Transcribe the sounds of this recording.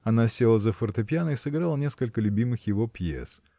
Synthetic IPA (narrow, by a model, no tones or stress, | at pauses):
ɐnasʲelˠəzəfərt̪ɨpʲjanəisɨɡɾalˠənʲe̞skəlʲkəlʲʉbʲimɨxjɪvopjḛs